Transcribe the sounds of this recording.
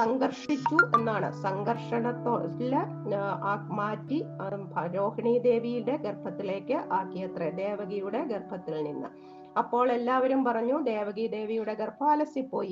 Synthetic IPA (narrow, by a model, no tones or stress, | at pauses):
sɐŋɡɐrʂit͡ɕːue̞nːaːɳɨ̰sɐŋɡɐrʂɐɳɐt̪ːoːlɐ | aːmaːtːibɐɾo̞ːhɐɳiːd̪e̞ːʋijilɽe̞ɡerbʰʱɐt̪ːile̞ːkːɨʔaːkːijɐt̪red̪e̞ːʋɐɡijuɽe̞ɡerbʱɐt̪ːilninːɨ̰ | ɐpːo̞ːɭe̞lːaːʋɐɾumpɐrɐɲːud̪e̞ːʋɐɣid̪e̞ːʋijuɽe̞ɡerbʰʱaːlɐsipːo̞̰ːji